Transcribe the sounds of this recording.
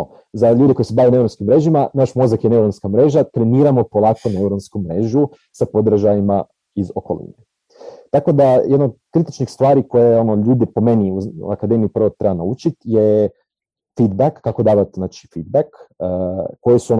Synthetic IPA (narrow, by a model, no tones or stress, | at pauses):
o | zaʎuːd̪eko̞jisebaːʋenaeuɾonskimːɾe̞ʒimanaːʃmo̞zakjene̞uɾonskamɾe̞ːʒat̪ɾeniːɾamo̞po̞lˠaːko̞neuɾonskumɾe̞ːʒu | sapo̞d̪ɾaʒajima | izo̞kolḭne | t̪ako̞d̪ajed̪nod̪kɾit̪it͡ʃnixst̪ʋaːɾiko̞jeo̞noʎuːd̪ipo̞me̞niuṵakad̪e̞miipr̩ʋot̪ɾe̞banaut͡ʃit̪je | fid̪̚bakːako̞d̪aːʋat̪znaːt͡ʃi̥fid̪̚bakː | o̞jesuo̞n